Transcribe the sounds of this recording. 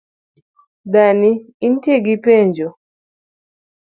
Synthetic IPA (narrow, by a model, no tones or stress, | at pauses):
ɗani | in̩tɛɡipɛɲd͡ʒɔ